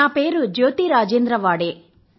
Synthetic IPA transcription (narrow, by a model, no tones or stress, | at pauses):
aːpeːɾud͡ʒoːt̪iɾaːd͡ʒeːnd̪ɾɐʋaːɽe